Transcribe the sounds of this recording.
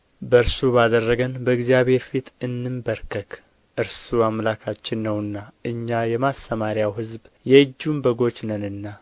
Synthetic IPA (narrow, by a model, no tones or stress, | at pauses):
bəɨɾsubad̪ərːəɡənbəɨɡzijaβhe̞ɾfit̪ɨnːɨmbəɾkʰək | ʔɨɾsuamlakʰat͡ʃːɪnːəwɨnːaʔɨɲːajɛmast̪əmaɾijawhɨzbjɛɨd͡ʒːumbəɡo̞t͡ʃnənɨnːa